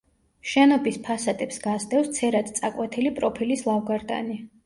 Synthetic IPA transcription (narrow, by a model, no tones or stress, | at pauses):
ʃɛnɔbispʰasad̪ɛpsɡazd̪ɛvst̪sʰɛɾad̪t̪sʼakʼwɛt̪ʰilipʼɾɔpʰilislˠavɡaɾd̪a̰ni